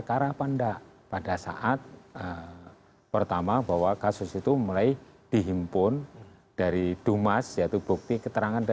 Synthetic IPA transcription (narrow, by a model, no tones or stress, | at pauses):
əkaɾapandaʔpadasa̰ʔat̪̚ə | pərt̪amabaɦwakasʊsit̪umulaid̥iɦimpʊn | d̥aɾid̥umasjait̪ub̥uk̚t̪ikət̪əɾaŋanda